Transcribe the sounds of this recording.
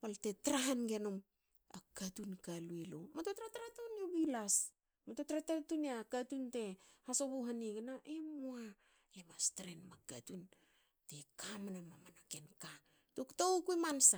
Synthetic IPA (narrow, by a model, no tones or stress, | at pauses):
paltetɾaɦanɡenom | akatunkaluelo̰matotɾataɾatunoβilas | matotɾatatuneakatunte̞hasoβoɦaneɡenaʔemoa | emastɾenmakatun | tekʰamanamamanakenka | toktoukuemansa